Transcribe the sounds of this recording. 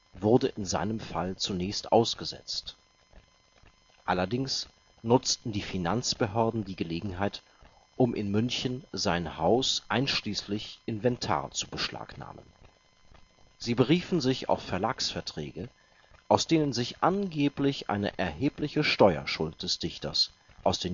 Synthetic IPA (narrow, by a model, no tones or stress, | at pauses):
vʊʁdəʔɪnza̰ɪnəmfa̰lt͡sunɛːçstʔa̰ʊsɡ̥əzɛ̰t͡st | ʔalɐdɪŋs | nʊt͡stn̩diːfinant͡sb̥əɦœɐdn̩diːɡəleːɡŋ̩ɦaɪt | ʔʊmʔɪnmʏnçənzaɪnhaʊsʔaɪnʃliːslɪçʔɪnvɛntʰa̰ːɐt͡su̥bəʃlʔa̰ːkna̰ːmə̰n | z̥iːbəʁiːfn̩zɪça̰ʊfɛɐlaːksfɛɐtʁ̥ɛ̰ːɡə | ʔaʊsd̥eːnənzɪçʔanɡeːplɪçʔa̰ɪnə̰ʔɛɐheːplɪçəʃtɔʏɐ̰ʃʊlt̚d̥ɛsd̥ɪçtɐs | ʔaʊsd̥eː